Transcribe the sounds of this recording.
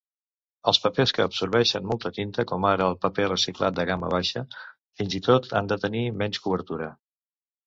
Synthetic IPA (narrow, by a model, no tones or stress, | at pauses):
əlˠspəpeskəːpsuɾβɛʃənmɔlˠt̪ət̪int̪əkɔmaɾəːlˠpəpɛrəsiklat̪̚d̪əɣamə̰β̞aʃə | finzit̪ot̪ʰa̰nd̪ət̪ənimɛnskuβ̞əɾt̪uɾə